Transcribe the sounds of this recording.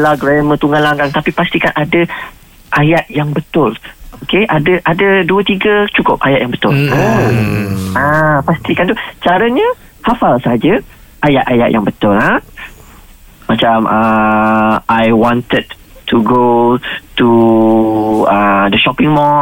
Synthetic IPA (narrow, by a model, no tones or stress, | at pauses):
laɡɾamət̪uŋalaŋɡaŋt̪apipast̪ikanʔadə | ʔajat̪̚jaŋbət̪ʊlokeʔadəʔadaduət̪iɡət͡ʃukʊp̚ʔajat̪̚jaŋbət̪ʊla | apast̪ikant̪̬ut͡ʃaɾəɲə̃ | hafalsaɦad͡ʒə | ʔajat̪aja̰ʔ̪̚jʔa̰ŋbət̪ʊla | mat͡ʃamə | ʔajwɔnt̪əd̚ | t̪ʰuɡot̪u | əd̪əʃɔpɪŋmɔ